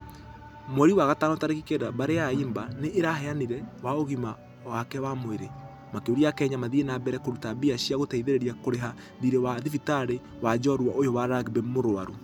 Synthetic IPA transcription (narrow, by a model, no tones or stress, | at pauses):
mwɛɾiwaɣatanotaɾekikeɾabaɾeaiːmbaneʔeɾahɛaniɾɛwaoɣima | wakɛwamoeɾe | makeoɾiakɛːɲamaðienabɛɾɛkoɾutabiaɕiaɣotɛiðeɾeɾiakoɾeɦa | ðiɾewaðifitaɾe | wad͡ʒɔɾwaʔojɔwaɾaɡbemoɾoaɾu